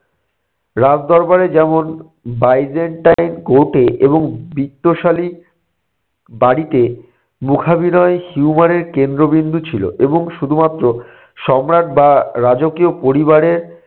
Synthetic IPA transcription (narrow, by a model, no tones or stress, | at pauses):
ɾad͡ʑd̪ɔɾbaɾed͡ʑɛmon | bajd͡ʑeɳʈajnkoʈeʔeboŋbit̪ːoʃali | baɽit̪e | mukʰabinɔehiumaɾeɾkend̪ɾobind̪ʱut͡ɕʰilo̰ʔeboŋʃud̪ʱumat̪ːɾo | ʃɔmɾaʈ̪̚baɾad͡ʑokiopoɾibaɾeɾ